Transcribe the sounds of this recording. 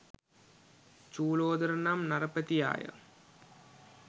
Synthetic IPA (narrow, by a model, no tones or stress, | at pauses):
t͡ɕuːloːd̪ɐɾɐnaːmnɐrɐpːɐt̪ːija̰ːjɐ̰